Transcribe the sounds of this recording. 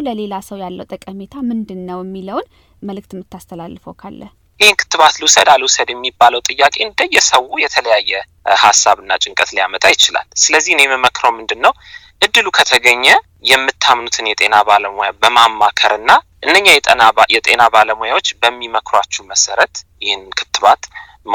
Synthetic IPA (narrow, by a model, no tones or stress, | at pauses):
ləle̞lasəwjalːəwt̪ʼəkʼəmet̪ʰamɨnd̪ɨnːəwjɛmːiləwn | məlɨk̚t̪mːɨt̪ːast̪ʰəlalːɨfokʰalːəh | jɪhenkʰɨ̥t̪ːɨβat̪ləwusəd̪aləwusəd̪jɛmːibːaləwt̪ʼɨjːakʼe̞nd̪əjːɛsəwujɛt̪ʰələjajːɛ | hasːaβɨnːat͡ʃʼɪŋkʼət̪ljamət̪ʼajɪt͡ʃɪla̰lsɨləzːihneməməkɾəwmɨnd̪ɨnːəw | ʔɨd̪ːɨlukʰət̪ʰəɡəɲːɛ | jɛmːɨt̪ʰːamnut̪ʰɨnjɛt̪ʼe̞nabaləmojabəmamːakʰəɾɨnːaʔɨnːəɲːajt̪ʼənajɛt̪ʼe̞nabaləmojawot͡ʃːbəmːiməkʰɾwat͡ʃːuməsəɾət̪jɪhɨnkʰɨ̥t̪ːɨβat̪